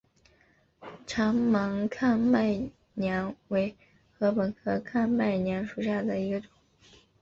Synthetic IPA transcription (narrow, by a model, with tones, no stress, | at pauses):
ʈ͡ʂʰɑ˧˥ŋmɑ˧˥ŋkʰa˥˧nma˥˩ɪ | njɑ˧˥nwe˧˥ɪ | xɤ˧˥pə˨˩nkʰɤ˥kʰa˥˧nma˥˩ɪnja˧˥nʂu˨˩ɕja˥˩d̪ə˩i˧˥ɡə˧ʈ͡ʂʊ̥˨˦ŋ